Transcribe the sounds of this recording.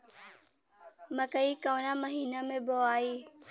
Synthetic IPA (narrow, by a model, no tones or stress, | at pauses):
məkəiːkaːnaməɦiːnamẽboaːiː